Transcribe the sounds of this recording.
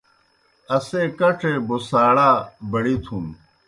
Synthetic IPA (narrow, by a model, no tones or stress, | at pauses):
ɐseːkɐʈʰeːbosaːɽaːbɐɽiːt̪ʰũːn